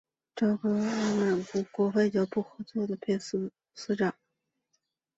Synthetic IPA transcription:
ʈ͡ʂɤ˥˩xɤ˧˥˩ma˨˩ku˧˥kwɔ˧˥xe˥˧ɪt͡ɕjɑ˧˥ʊpu˥˩xɤ˧˥t͡swɔ˥˩d̪ə˩pʰjɛ˥˧s̩˥ | sɹ̩˥ʈ͡ʂɑ˨˩˦ŋ

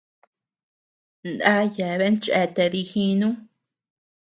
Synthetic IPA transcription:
nd̪a˦je˨βe˦nt͡ʃʔḛ˧t̪e˧ði˧hĩ˧nũ˦

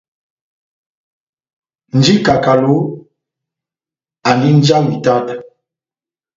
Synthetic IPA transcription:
n̩˨˦d͡ʒi˦ka˨ka˨lo˨˦ | a˨ni˦n˦d͡ʒa˦wi˨ta˦˨t

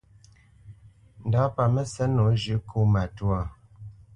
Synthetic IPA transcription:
n˨da˨˦pa˨mə˦sɛ˦no˨˦ʒʉ˨˦kʰo˦ma˨twa˨

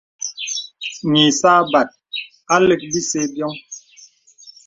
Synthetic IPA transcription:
ɲi˨saː˦ba˨t̚ | a˦le˦k̚bi˦se˦bjɔ˦ŋ

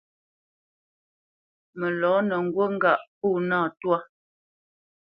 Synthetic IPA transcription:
mə˨lɔː˨˦nə˨ŋ̩˨ɡwo˦ŋ̩˦ɡa˨ʔpuː˦˨naː˦˨twa˦

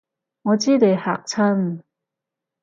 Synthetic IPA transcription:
ŋɔː˨˧t͡siː˥t̪e˨˩jha̰ː˨˩k̚t͡sʰɐ˥n

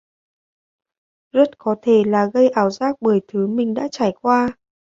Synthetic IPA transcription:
zə˦˥t̚kɔ˨˦t̪ʰe˧˩laː˨˩ɣə˧jʔaː˧˩wzaː˦˥k̚ɓəː˧˩jt̪ʰɨ˨˦mï˨˩ŋ̟ɗa̰ː˧˥t͡ɕaː˧˩jkwaː˧

